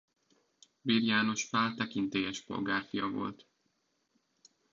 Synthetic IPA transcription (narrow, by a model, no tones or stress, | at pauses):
biːrjaːno̞ʃpaːlt̪ɛkint̪eːjɛʃpo̞̰lɡaːrfijɒvo̞̰lt̪